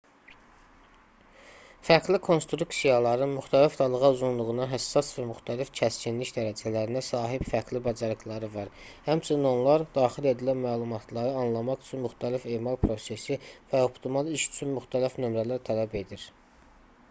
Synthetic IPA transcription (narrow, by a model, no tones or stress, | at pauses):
fæɾɡlikʰo̞nst̪ɾuksijɑlˠɑɾɯnmyxt̪ʰælifd̪ɑlˠɯɣɑuzunlˠuʁɯnɑɦæsːɑsvæmyxt̪ʰælifcʰæscinliçd̪æɾæd͡ʒælæɾinæsɑːɦibfæɾɡlibɑd͡ʒɑɾɯklˠɑɾɯvɑɾ | hæmt͡ʃʰynino̞nlˠɑɾd̪̥ɑːχile̞d̪ilænmæːlˠumɑt̪ʰlˠɑɾɯɑnlˠɑmɑʁyt͡ʃʰynmyxt̪ʰælife̞ːmɑlˠpʰɾo̞se̞sivæo̞pt̪ʰimɑlˠiʃy̥t͡ʃʰynmyxt̪ʰælifnø̞mɾælæɾt̪ʰælæbe̞d̪iɾ